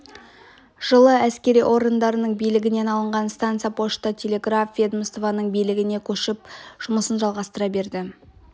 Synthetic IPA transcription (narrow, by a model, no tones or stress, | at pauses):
ʒ̥əlˠəæskʲe̞ɾijʔo̞ɾɡənd̪ɑɾənəɴbijlɪɡʲɪne̞nɑlˠəɴʁɑnst̪ant̪sɨjapʰo̞ʃt̪ɑt̪ʲʰe̞lʲe̞ɡrafvʲed̪məst̪ovanəɴbijlɪɡʲɪne̞kʲʰɵʃɪp̚ʒ̥ʊməsənʒɑlˠʁɑst̪əɾɑbe̞ɾd̪ɪ